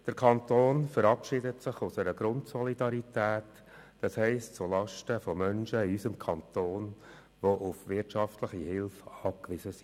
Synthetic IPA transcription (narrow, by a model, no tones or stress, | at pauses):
d̥əɾkʰɑnt̪oːnfəɾɑpʃɪdətsɪχʊsəɾəɡɾʊntsɔlidɑɾitæːt | d̥ɑshɛɪstt͡sulɑʃtəfɔmœnʃəiysəmkʰɑnt̪oːn | ʋoʔʊfʋɪtʃɑftləχihɪlfɑːp̚kʋɪsəsi̥